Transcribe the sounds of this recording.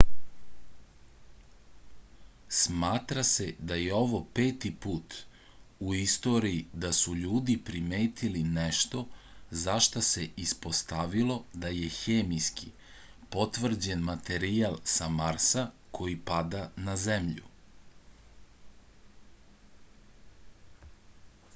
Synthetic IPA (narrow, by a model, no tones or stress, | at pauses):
smaːt̪ɾase̞d̪aje̞o̞ʋo̞pe̞ːt̪ipuːt̪ | uist̪o̞ːɾiid̪asuʎuːd̪ipɾimeːt̪ʰilineʃt̪o̞zaʃt̪ase̞ʔispo̞st̪aʋilˠo̞d̪aje̞xeːmijski | po̞t̪ʋr̩d͡ʑe̞nmat̪e̞ɾialˠsamaɾsa | kʰo̞jipad̪anazemʎṵ